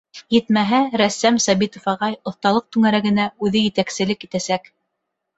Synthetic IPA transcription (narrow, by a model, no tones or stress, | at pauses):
jɘ̆t̪mæɦæɾæsːæmsɑβit̪ŏfɑʁɑjŏθt̪ɑlˠɤq̚t̪ʉŋæɾæɡɘ̆næʉðɘjɘ̆t̪æksɘ̆lɘkjit̪æsæk